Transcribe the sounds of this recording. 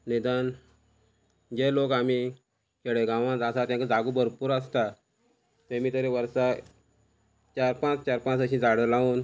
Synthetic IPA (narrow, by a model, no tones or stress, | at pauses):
ned̪an | d͡ʑelokami | keɽeɡãʋãd͡zasat̪jãŋkad͡zʱaɡuːbəɾpuːɾəst̪a | t̪ẽmiːt̪əɾeʋəɾsa | t͡ɕaɾpãt͡st͡ɕaɾpãt͡səɕĩd͡zʱaɽəlaʋuːn